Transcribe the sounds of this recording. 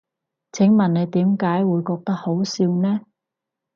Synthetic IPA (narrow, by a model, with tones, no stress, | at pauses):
t͡sʰɪ˨˥ŋmɐ˨nne˨˧jt̪iː˨˥mkaː˨˥jwuː˨˧jkɔː˧k̚t̪ɐ˥k̚ho˨˥wsiː˧wnɛː˥